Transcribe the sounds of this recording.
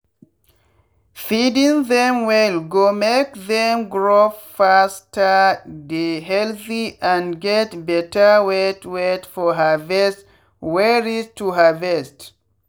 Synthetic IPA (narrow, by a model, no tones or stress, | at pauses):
fidɪ̃ŋðɛ̃mwɛlɡomekðɛ̃mɡɹofastʰədeɦɛlθiʔãnɡɛtbɛtəwɛtʰwɛtfɔɦəvɛst | wɛɹiztʰuɦəvɛst